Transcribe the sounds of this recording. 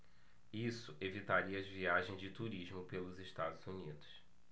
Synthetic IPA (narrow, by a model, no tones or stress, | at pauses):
isʊevit̪aɾiɐzviaʒẽj̃zd͡ʒɪt̪uɾiʒmʊpelʊzeʃt̪ad̪ʊzunid̪ʊs